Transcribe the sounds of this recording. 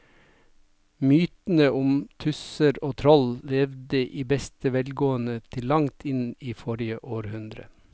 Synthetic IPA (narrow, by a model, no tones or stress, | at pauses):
myːt̪n̩əʔʊmt̪ʰʉsəɾoːt̪ʰɾɔllɛʋd̪əʔiːbɛst̪əʋɛlɡoːənət̪ʰɪlːɑŋt̪ʰɪniːfɔɾɪəʔoːɾhʉnd̪ɾə̰